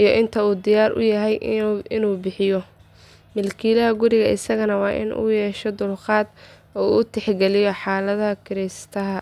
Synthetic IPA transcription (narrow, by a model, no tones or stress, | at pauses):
ʔijɔʔɪnt̪ʰɐuːd̪ɪjaːɾʔʊ̰jɐɦɛjɪnuːbɪħɪjɔ | mɪlkʰiːlɐɦɐɡʊɾɪɣɐʔɪsɐɣɐnɐwɑːʔɪ̰nṵːjɛːʃɔd̪ʊlqɑːd̪ | ɔːuːʊt̪ʰɛħɡɛlɪjɔħaːlɐðɐhɐkʰɪɾɛst̪ʰɐɦɐ